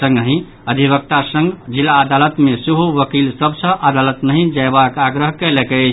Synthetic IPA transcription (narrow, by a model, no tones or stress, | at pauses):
sə̃ŋɡɦĩ | əd̪ʱiβək̚t̪asə̃ŋɡd͡ʒilːaəd̪alət̪mesiɦuʋəkilsəbsə̃ʔad̪alət̪nəɦĩd͡ʒaebakaɡɾəɦkɛlekɛt͡ʃʰ